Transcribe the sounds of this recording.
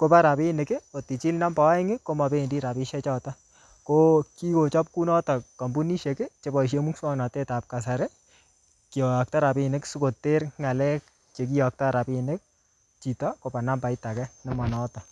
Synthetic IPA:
ko˦pa˦ɾa˨pi˦nɪ˨kɪ˦o˨ti˨t͡ʃi˦lna˦mbɔ˨˦ɪ˦ŋɪ˦kːo˦ma˨be˦i˨ndi˦ɾa˨pi˦ʃɛ˦t͡ʃɔ˦tɔ˦ | ko˦ki˦ko˨t͡ʃɔ˦p̚ku˦nɔ˦tɔ˨ka˨mbu˦ni˦ʃe˨kɪ˦t͡ʃe˦bɔ˨i˨ʃ̬e˦mu˦kswɔ˦ŋnɔ˨te˦ta˨p̚ka˨s̬a˨ɾe˦ | ki˨ɔ˨jɔ˨k̚ta˦ɾa˨pɪ˦nɪ˦ksu˦ko˨tːe˦ɾŋa˨lɛ˦k̚ | t͡ʃe˨k̬i˦jɔ˨k̚tɔ˦ɾa˨pɪ˦nɪ˦k̚ | t͡ʃi˨tɔ˦ko˨pa˨na˦mba˨jta˨kɛnɔ˦mɔ˨nɔ˦tɔ˨

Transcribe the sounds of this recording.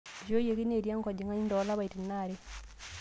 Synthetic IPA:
d͡ʒo˦je˨ki˦ne˨ɾja˦ŋka˨ɟi˨ŋa˦ɲi˦ndo˨˦la˦βa˨iti˨nːa˨ɾe˦

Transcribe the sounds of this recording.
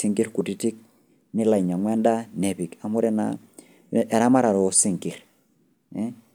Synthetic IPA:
si˦ŋki˦ɾku˨ti˦ti˦k̚ | nɪ˦la˨i˨ɲa˨ŋwɛ˦nda˦nɛ˨βi˨ka˨mɔ˦ɾɛ˦na̰˨ | ʔɛ˨ɾa˦ma˦ɾa˨ɾɔ˨ɔ˨si˦ŋki˨ɾ | ɛ˦

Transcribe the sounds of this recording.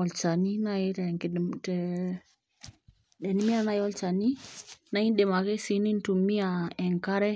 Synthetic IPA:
ɔ˨lt͡ʃa˨ni˦na˦i˦tɛ˨ŋktɛ˨ | ɗɛ˨ni˦mi˦a˦˨na˦jɔ˦lt͡ʃa˨ni˦na˨˦i˦nɗe˨ma˨kɛ˦si˨˦ni˦n˦tu˨mi˦a˨ɛ˨ŋka˦ɾɛ˦

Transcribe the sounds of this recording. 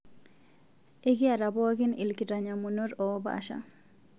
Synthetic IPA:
e˦ki˦a˨ɾa˨bɔ˦akɪ˦ni˨lki˨taɲamuno˦ɾɔ˦ba̰ʃa̰

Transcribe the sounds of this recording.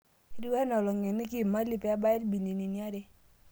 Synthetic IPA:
i˦dwɛ˦nɔ˨lɔ˨ŋɛ˨ni˦ki˦˨ma˦li˦pɛ˨a˦ba˦ɪ˦lbi˨ni˨ni˨ni˦a˦de˦

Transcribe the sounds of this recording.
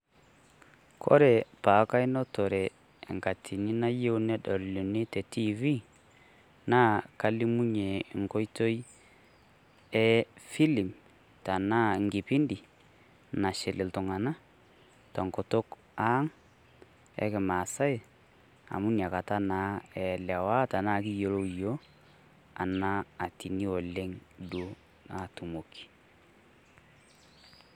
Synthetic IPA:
kʰɔ̰˦ɾɛ˨paː˨˦ka˦i˦nɔ˦tɔ˨ɾɛ̰˨ | ŋka˨tʰi˨ni˦na˦je˦u˦nɛ˦dɔ˨llu˨ni˦tɛ˨ti˦vi˦ | na˦ka˦li˦mu˦ɲe˨ŋko˦jto˦i˦ | ɛ˦fi˦li˨m | ta˨naː˦ŋɡi˨pi˦ndi˨ | na˨ʃɪ˨lɪ˨ltʊ˨ŋa˨na˦ | ta˨ŋko˨to˦k | a˦ŋ | ɛ̰˦kɪ˨maː˨sa˦ɪ˨ | a̰˨mu˦nja˨ka˨ta˦na˨˦ɛ˨lɛ˨wa˦ta˨na˦˨ki˦jo˨lo˦˨jo˦ | a˨na˦a˨ti˨ni˦o˨le˦ŋdo˦ | na˨tu˨mo˨kʰi̥˨

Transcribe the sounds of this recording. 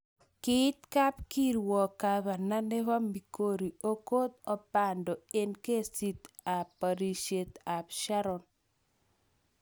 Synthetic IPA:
kɪ˦t̪ka˦p̚ki˦ɾwɔ˨ka˨βa˨na˦ne˦βa˦mi˨ko˦ɾi˨o˦ko˦t̪̚ɔ˨pa˨ndɔ˨e˦nke˦si˦t̪a˨pːa˨ɾi˨ʃe˨t̪a˨pʃa˦ɾɔ˨n

